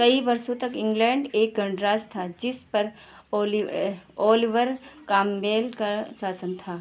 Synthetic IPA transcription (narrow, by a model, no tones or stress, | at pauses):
kɐibɐɾsõt̪ɐkɪ̃ŋɡlɛ̃ːɳɖeːk̚ɡɐ̃ɳɖɾaːst̪ʰad͡ʒɪspɐɾ | lɔːlɪʋəɾkaːmːeːlkasaːsənt̪ʰaː